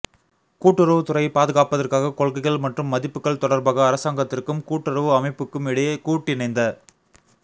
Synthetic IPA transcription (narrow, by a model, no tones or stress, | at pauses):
kuːʈːɯɾɐʋɯt̪ʊrɐɪpaːðɯɣaːpɐðɐrkaːɣɐkɔɭɣɐɪɣɐɭmɐʈrɯmːɐðɪpːɯkːɐɭt̪ɔɽɐɾbaːɣɐːɾɐsaːŋɡɐt̪ːɪrkɯmkuːʈːɯrɐʋɯɐmɐɪpːɯkːɯmɪɽɐjɐkuːʈːɪnɐɪnd̪ɐ